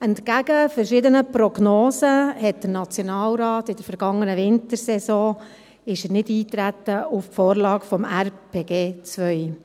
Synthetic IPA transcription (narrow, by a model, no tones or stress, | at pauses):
ɛntkæɡəfəɾʃɪd̪ənəpɾɔɡnoːsəhɛt̚d̥əɾnɑt͡sjonɑːlɾɑːtɪd̥əɾfəɾɡ̥ɑŋːənəʋɪntəɾsɛsɔ̃ː | ɪʃənɪdiːt̪ɾæt̪ːəuffoːɾlɑːɡfɔmæɾpʰeːɡ̥eːt͡sʋœj